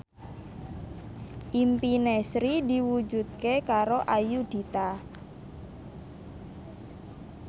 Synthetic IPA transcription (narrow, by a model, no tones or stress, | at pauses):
ʔimpinɛsɾid̪i̤wud͡ʒṳd̪̥̚kekaɾoʔajud̥i̤t̪a